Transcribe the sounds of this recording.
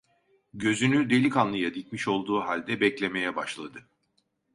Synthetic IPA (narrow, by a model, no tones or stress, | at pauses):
ɟø̞zynyd̪e̞lʲikanlˠɯjad̪icmiʃo̞lˠd̪uːɦalʲd̪ɛbɛclʲe̞me̞jɛbaʃlˠad̪ɯ